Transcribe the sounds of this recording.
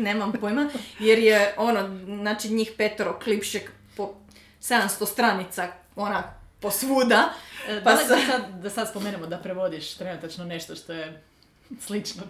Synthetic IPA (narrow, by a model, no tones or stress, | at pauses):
neːmampojmajeɾjeononaːt͡ʃiɲiːxpet̪oɾoklipʃek | po | se̞d̪amst̪ost̪ɾanit̪sa | onaposʋud̪apasasad̪d̪asad̪spomeːnemod̪apɾeʋod̪iʃt̪ɾenut̪at͡ʃnone̞ʃt̪oʃt̪oje | slit͡ʃno